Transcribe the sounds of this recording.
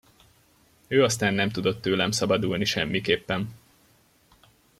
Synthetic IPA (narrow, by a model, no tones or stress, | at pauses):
øːɒst̪aːnːɛmt̪ud̪o̞t̪ːøːlɛmsɒbɒd̪ulniʃɛmːikeːpːɛn